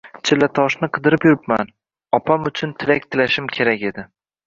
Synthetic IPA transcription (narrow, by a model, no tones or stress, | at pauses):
t͡ʃʰɪlːat̪ʰɒʃnɪqʰɨd̪ɪɾɪpjʊɾɪpman | ɒpʰamʊt͡ʃʰʊnt̪ʰɪlak̚ʲt̪ʰɪlaʃɪmkʲʰe̞ɾakʲe̞d̪ɪ